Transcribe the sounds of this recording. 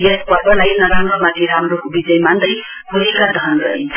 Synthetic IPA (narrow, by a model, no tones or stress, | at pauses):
jet̪pʌrbʌlajnʌɾamrʌmat̪ʰiɾamrokobid͡zʌjmand̪ʌj | puɾikad̪ʱʌʌnrʌɦint͡sʰ